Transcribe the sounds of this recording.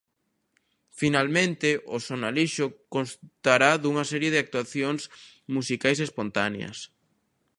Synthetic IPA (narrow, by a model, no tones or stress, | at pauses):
finalmẽnt̪ɪʔʊsonaliʃʊkonst̪aɾaðuŋɐsɛɾjeðɪak̚t̪uaθjoŋs | musikajsespont̪anḛɐ̰s